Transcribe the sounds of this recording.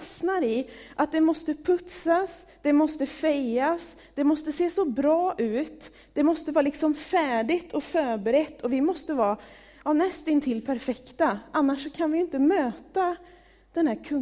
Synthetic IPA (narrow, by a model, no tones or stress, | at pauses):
snaɾɪʔat̪̚d̪ɛmɔst̪əpʰɵt̪sas | d̪̥ɛmɔst̪əfɛjas | d̪̥ɛmɔst̪əseːsɔbɾɑːʔʉ̟ːt̪ | d̪̥ɛmɔst̪əvɑːlɪksɔmfæːɖɪt̪ʰɔfœːɾbɛɾɛt̪ʰːɔvɪmɔst̪əvɑː | ɑːnɛst̪ɪnt̪ʰɪlːpʰæɾfɛkt̪aʔanːaʂːɔkʰanvɪjɪnt̪əmøːt̪a | d̪̥ɛnhæːɾkʰɵ